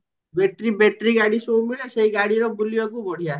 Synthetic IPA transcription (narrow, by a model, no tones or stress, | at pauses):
beʈɾibeʈɾiɡaɽisomiɭɛseɦiɡaɽiɾɔbʱulijok̬ubɔɽ̤ija